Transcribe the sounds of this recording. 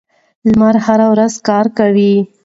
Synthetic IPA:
lmaɾhaɾawɾazkɑɾkawi

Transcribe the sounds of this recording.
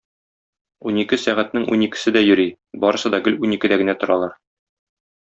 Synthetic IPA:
unikɘsæʁæt̪̚nɘŋṵnikɘ̥̆sɘd̪æjɵ̆ɾi | bɒɾɤ̆sɤd̪ɒɡɘlunikɘ̆d̪æɡɘ̆næt̪ŏɾɑlˠɑɾ

